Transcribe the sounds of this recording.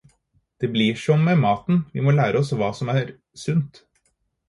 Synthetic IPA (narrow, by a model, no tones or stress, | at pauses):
d̪̥ɛblɪʂɔmːɛmɑːt̪nʋɪ̰mɔːlæːɾʔəɔsʋɑːsɔmæːɾ | sʉnt̪